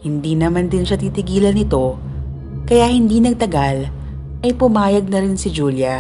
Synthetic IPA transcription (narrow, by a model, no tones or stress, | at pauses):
hɪnd̪iːnɐmand̪ɪnʃat̪it̪ɪɡiːlɐnɪt̪o̞ | kɐjaːhɪnd̪iːnɐɡ̚t̪ɐɡal | ʔɐjpʊmaːjɐɡ̚nɐɾɪnsɪd͡ʒuːljɐ